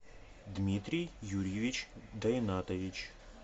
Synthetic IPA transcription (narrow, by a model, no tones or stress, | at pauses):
d̪mʲit̪ɾʲijjuɾʲjeʋʲit͡ʃʲd̪ɐjnat̪ɔʋʲit͡ʃ